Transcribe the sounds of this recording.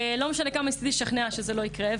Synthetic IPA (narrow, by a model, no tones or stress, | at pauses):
lo̞meʃanekamaist̪id̪iʃaχneaʃezelo̞ikʁe